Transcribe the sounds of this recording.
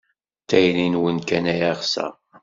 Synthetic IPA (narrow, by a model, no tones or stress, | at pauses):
t̪ːæjlinwənkænæjæʁsæ̰